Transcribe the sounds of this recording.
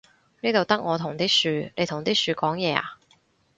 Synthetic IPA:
niː˥t̪o˨wt̪ɐ˥k̚ŋɔː˨˧t̪ʰʊ˨˩ŋt̪iː˥syː˧ne˨˧jt̪ʰʊ˨˩ŋt̪iː˥syː˧kɔː˨˥ŋjɛː˨˧a̰ː˨˩

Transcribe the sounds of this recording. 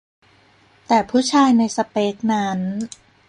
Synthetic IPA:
t̪ɛː˨˩pʰuː˦˥t͡ɕʰaː˧jna˧jsa˧peː˦˥k̚na˦˥n

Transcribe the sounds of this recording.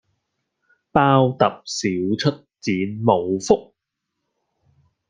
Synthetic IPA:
paː˥wt̪ɐ˨p̚siː˨˥wt͡ʃʰɵ˥t̚t͡siː˨˥nmo˨˧wfʊ˥k̚

